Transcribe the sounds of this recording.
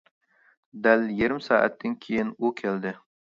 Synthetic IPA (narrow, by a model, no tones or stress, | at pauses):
d̪æljeɾɪmsɑːʔæ̰t̪ʰːɪnkʲʰejɪnukʲʰɛld̪ɪ